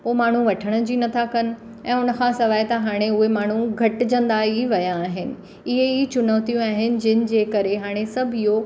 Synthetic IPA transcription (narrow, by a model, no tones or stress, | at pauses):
oːmaːɳ̤uʋɐʈʰəɽ̃̆d͡ʑiːnɐt̪ʰakɐnɪ̆ | ɛ̃ːʊnə̆kʰãsɐʋaːjt̪ɐɦaːɽ̃eʊɦemaːɳ̤uɡʱɐʈɪd͡ʑɐ̃nd̪aiʋɐjaːɦɪnɪ̆ | ɪɦeit͡ɕʊnoːt̪ijũaːɦɪnɪ̆d͡ʑɪnɪ̆d͡ʑeːkɐɾeɦaːɽ̃esɐbʱijo